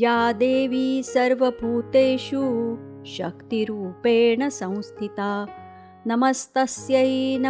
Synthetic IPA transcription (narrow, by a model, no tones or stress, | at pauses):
jaːd̪eːʋiːsɐɾʋɐbʱuːt̪eːʃu | ʃɐkt̪iɾuːpeːɳɐsɐ̃w̃st̪ʰit̪aː | nɐmɐst̪ɐsjɐnɐ